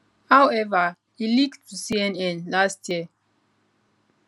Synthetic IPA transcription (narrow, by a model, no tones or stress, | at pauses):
hawɛvə | iliktusiɛ̃nɛ̃nlastjiə